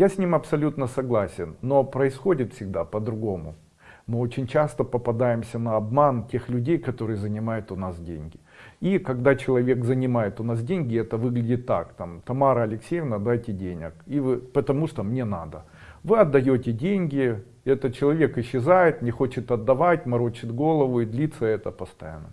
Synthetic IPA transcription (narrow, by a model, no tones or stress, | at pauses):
jasʲnʲimɐpsɐlʲut̪nəsɐɡlˠasʲɪnːo̞pɾəɪsxo̞dʲɪt̪fʲsʲɪɡ̚d̪apəd̪ɾʊɡo̞mʊ̰ | mɨo̞t͡ɕɪnʲt͡ɕast̪əpəpɐd̪ajɪmsʲənɐɐbmantʲe̞xlʲʉdʲejkɐt̪o̞ɾɨjəzənʲɪmajʊt̪ʊnasdʲḛnʲɡʲɪ | ikɐɡd̪at͡ɕɪlˠɐvʲe̞kzənʲɪmajɪt̪ʊnas̬dʲenʲɡʲɪɛt̪əvɨɡlʲɪdʲɪt̪ːa̰kt̪amt̪ɐmaɾəɐlʲɪksʲejɪvnəɐd̪ːajtʲɪdʲenʲɪ̰kivɨpət̪ɐmuʂt̪omnʲe̞nad̪ə | vɨɐd̪ːɐjotʲɪdʲenʲɡʲɪ | ɛt̪ət̪̚t͡ɕɪlˠɐvʲe̞kɪɕːɪzajɪt̪nʲɪxo̞t͡ɕɪt̪ɐd̪ːɐvatʲmɐɾot͡ɕɪd̪ɡo̞lˠəvʊid̪lʲit̪səɛt̪əpəst̪ɐja̰nːə̰